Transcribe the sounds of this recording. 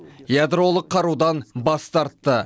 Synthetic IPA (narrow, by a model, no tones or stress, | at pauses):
jad̪ɾo̞lˠəqʰːɑɾud̪ɑnbɑst̪ɑɾt̪ːə